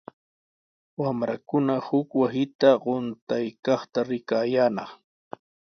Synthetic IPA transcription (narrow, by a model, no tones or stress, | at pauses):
wamɾakʊnahʊkwasɪt̪aɢʊnt̪ajkɑχt̪aɾɪkaːjaːnɑχ